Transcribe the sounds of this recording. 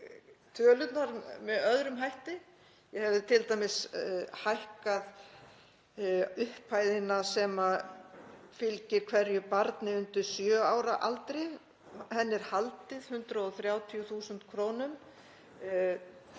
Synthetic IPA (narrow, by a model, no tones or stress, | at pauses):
t̪ʰœːlʏt̪naɾmɛðœðɾʏmɦajht̪ɪ | jɛhɛvðɪt̪ʰɪlt̪ajmɪshajhkað | ʏhpʰːaːjðɪnasɛma | fɪlcɪɾkʰvɛɾjʏpaɾt̪nɪʏnt̪ɪɾ̥sjœːaːwɾaʔalt̪ɾɪ | hɛnːɪɾ̥halt̪ɪð̥hʏnt̪ɾaɔθɾjaːwt̪ʰijuθuːsʏnt̪kʰɾoːwnʏm